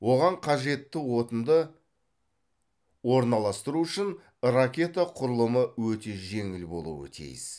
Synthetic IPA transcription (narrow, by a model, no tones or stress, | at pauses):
wo̞ʁɑɴqʰɑʒe̞t̪ːɪwo̞t̪ənd̪ə | wo̞ɾnɑlˠɑst̪əɾuʏʃɪn | rakʲe̞t̪aqʰʊɾəlˠəməwɵt̪e̞ʒe̞ŋɪlbo̞̰lˠṵwə̰t̪ʰḭjɪs